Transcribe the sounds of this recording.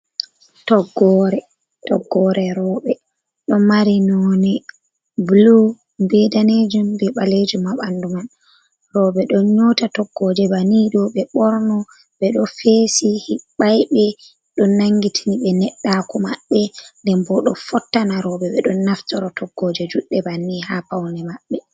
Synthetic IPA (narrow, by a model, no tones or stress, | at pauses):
tɔɡːɔɾɛ | tɔɡːɔɾɛɾɔːɓɛ | ɗɔmaɾinɔnɛ | blu | mbɛdaned͡ʒumbɛɓaled͡ʒumaɓanduman | ɾɔɓɛɗɔnɲɔtatɔɡ̥ːɔd͡ʒɛbaniɗɔɓɛɓɔɾnɔ | ɓɛɗɔfeːsihiɓajɓɛ | ɗɔnːaŋɡitʰiniɓɛnɛɗːakɔmaɓːɛndɛmbɔɗɔfɔtːanaɾɔɓɛɓɛɗɔnːaftɔɾɔtɔɡːɔd͡ʒɛd͡ʒuɗːɛbanːihapawnɛmaɓːɛ